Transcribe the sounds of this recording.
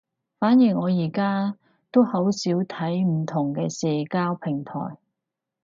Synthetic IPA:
faː˨˥njiː˨˩ŋɔː˨˧jiː˨˩kaː˥ | t̪o˥whɐ˨˥wsiː˨˥wt̪ʰɐ˨˥jm̩˨˩t̪ʰʊ˨˩ŋkɛː˧sɛː˨kaː˥wpʰɪ˨˩ŋt̪ʰɔ̰ː˨˩j

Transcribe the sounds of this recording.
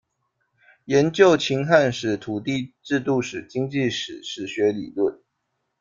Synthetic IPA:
jɛ˧˦nt͡ɕjo˥˨ʊt͡ɕʰi˧˥ŋxa˥˧nʂɻ̩˨˩t̪ʰu˨˩t̪i˥˧ʈ͡ʂɻ̩˥˧t̪u˥˩ʂɻ̩˨˩t͡ɕi˥ŋt͡ɕi˥˨ʂɻ̩˨˩ʂɻ̩˨˩ɕɥɛ˧˥lḭ˨˩lə˥˨n

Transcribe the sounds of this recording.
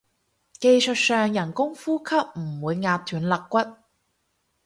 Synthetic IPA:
ke˧jsɵ˨t̚sœː˨˧ŋjɐ˨˩nkʊ˥ŋfuː˥kʰɐ˥p̚m̩˨˩wuː˨˧jŋaː˧t̚t̪ʰyː˨˥nlɐ˨kːʷɐ˥t̚

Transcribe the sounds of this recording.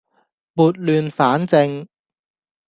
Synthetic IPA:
muː˨t̚lyː˨nfaː˨˥nt͡sɪ˧ŋ

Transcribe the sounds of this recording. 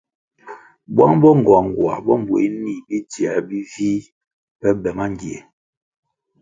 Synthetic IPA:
bwa˦ŋbɔ˦ŋ˨ɡwa˨ŋ˨ɡwa̰˨bɔ˦m˨bwni˦˨bi˦ti˨ɛ˨bi˦viː˦ | pɛ˦bɛ˨ma˦ŋ˦ɡe˨

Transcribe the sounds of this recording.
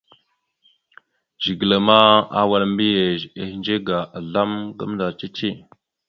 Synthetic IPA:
d͡ʒi˨ɡla˨ma˦a̰˦wa˨lmbi˦je˨ze˨hnd͡ʒe˦ɡa˨a˨ɮa˦mɡə̰˦m˦da˨t͡ʃi˦t͡ʃi˦˨

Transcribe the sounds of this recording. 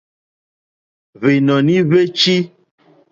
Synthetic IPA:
ve˨nɔ˨nĩ˦βe˦t͡ʃi˦

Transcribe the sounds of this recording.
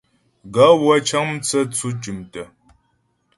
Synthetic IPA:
ɡa˨˦wa˦t͡ʃʰa˦ŋm̩˦t͡sə˦t͡sʰu˦t͡ʃi˨mtə˨

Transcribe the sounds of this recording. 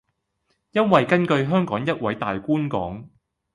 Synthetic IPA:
jɐ˥nwɐ˨jkɐ˥nkɵ˧ɥɦœː˥ŋkɔː˨˥ŋjɐ˥t̚wɐ˨˥jt̪aː˨jkuː˥nkɔ̰ː˨˥ŋ

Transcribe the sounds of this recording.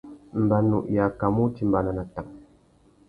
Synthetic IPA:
m̩˨ba˨nṵ˨ʔja˨ka˨mu˦ti˦m̩˨ba˨na˨na˨ta˨ŋ

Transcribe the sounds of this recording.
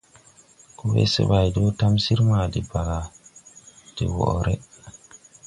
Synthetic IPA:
ku˦wḛ˦sḛ˦ba˨jdo˦ta˦msi˦ɾma˨di˨ba˨ɡa˨ | d̥i˨wɔ̰˨ɾʔɛ˦

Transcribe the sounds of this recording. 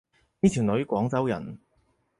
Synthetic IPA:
niː˥t̪ʰi˨˩wnɵ˨˧˥ɥkʷɔː˨˥ŋt͡sɐ˨˥wjɐ̰˨˩n

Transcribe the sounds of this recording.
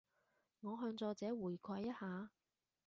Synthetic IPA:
ŋɔː˨˧ɦœː˧ŋt͡sɔː˧t͡sɛː˨˥wuː˨˩jkʷʰaː˧jːɐ˥t̚haː˨˧

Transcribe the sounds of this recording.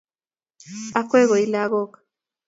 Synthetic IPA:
a˦kwɛ˦ɣɔ˨i˦la˦ɣɔ˦kḁ

